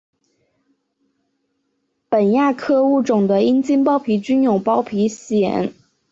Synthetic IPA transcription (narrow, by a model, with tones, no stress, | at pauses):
pə˨˩nja˥˩kʰɤ˥˧u˥˩ʈ͡ʂʊ˨˩ŋd̪ə˦i˥nt͡ɕi˥npɑ˥ʊpʰi˧˥t͡ɕy˥njʊ˨˩ŋpɑ˥ʊpʰi˧˥ɕjɛ̰˨˩˥n